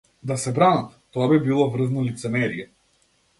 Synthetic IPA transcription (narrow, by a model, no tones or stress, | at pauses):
d̪asɛbɾanat̪t̪ɔabibilˠɔvr̩znɔlit̪sɛmɛɾiɛ